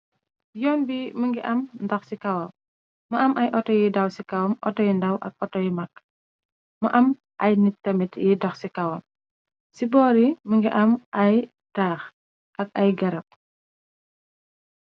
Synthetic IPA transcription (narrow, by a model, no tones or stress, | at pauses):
jɔːnbiməŋɡiʔɐmndɔxsikɐwɐ | məɐmʔɐjʔɔtɔjidɐwsikɐwɐmʔɔ̰tɔjindɐwʔɐk̚ʔɔtɔjimɐk̚ː | məʔɐm | ʔɐjnitːɐmitjidɔxsikɐwɐm | sibɔːɾiməŋɡiʔɐmʔɐj | taːx | ʔɐk̚ɐjɡɐɾɐp̚